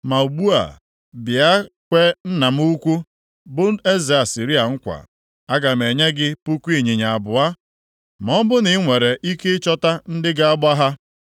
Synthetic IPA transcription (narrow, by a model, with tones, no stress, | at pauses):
ma˨u˨ɡ͡bu˦a̰˨ | bɪ˨a˦kʷe˦n̩˦na˨m̩˦u˦kʷu˦ | bʊ˦n̩˦e˦ze˨a˨si˨ɾi˦a˨ŋ̩˦kʷa̰˨ | a˦ɡa˨m̩˨e˨ɲe˦ɡɪ˦pu˦kʷu˦i˨ɲi˨ɲa˨a˨bʊ˨a˦ | m˨ɔ˦m˦bʊ˦nɪ˨˦ŋʷe˨ɾe˨ʔi˦ke˦t͡ʃɔ˦ta˦n̩˦dɪ˦ɡa˦a˦ba˦ɦa˦